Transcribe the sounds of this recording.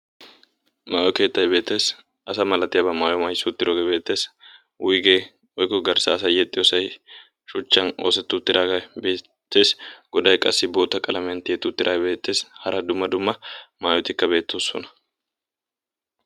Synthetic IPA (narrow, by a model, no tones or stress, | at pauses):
maːjɔke̞ːt̪ːɐjbe̞ːt̪ːe̞ːs | ʔɐsɐmɐlɐt̪ːɪjɐbɐmaːjɔmɐjsʊt̪ːɪɾɔɡebe̞ːt̪ːe̞ːs | wʊjɡe | wɔjkːɔɡɐɾsɐːsɐjɛt̪ʼːɪjɔsɐj | ʃʊt͡ʃːɐnoːsɛt̪ːʊt̪ːɪɾaɡɐbe̞ː | t̪ːe̞ːsɡ̥ɔd̪ɐjkʼɐsːɪbo̞ːt̪ːɐkʼɐlɐmɛnt̪ɪjɛt̪ːʊt̪ːɪɾʔaːjbe̞ːt̪ːe̞ːshɐɾɐd̪ʊmːɐd̪ʊmːɐmaːjɔt̪ɪkːɐbe̞ːt̪ːosːɔ̰nɐ̥